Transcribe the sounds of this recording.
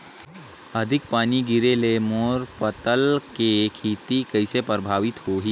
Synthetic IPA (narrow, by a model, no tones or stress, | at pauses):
ɐd̪ʱɪk̚paːniɡɪɾeleːmoːɾpət̪əlkekʰiːt̪ikɐɪsepɾəbʱaːʋɪt̪hoːɦiː